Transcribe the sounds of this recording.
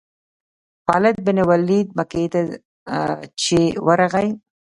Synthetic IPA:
pɑːlɪt̪̚bɪnɪwalːid̪̚maket̪a | t͡ʃewəɾaɣaj

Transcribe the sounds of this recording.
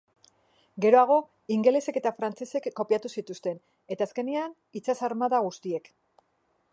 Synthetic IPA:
ɡe̞ɾo̞aɣ̞o̞ | iŋɡe̞le̞se̞ke̞t̪afɾant͡se̞se̞kːo̞piat̪usit̪ust̪e̞n | e̞t̪aːske̞nian | it͡sasaɾmaðaɣ̞ust̪ie̞k

